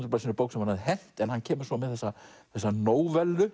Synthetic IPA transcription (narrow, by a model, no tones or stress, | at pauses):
t̪ɾplasinɾpoːwksɛmhanhaðɪɦɛl̥t̪ɛnhanːcʰɛːmʏɾ̥sɔmɛðθɛsːaθɛsːanoːwvɛlːʏ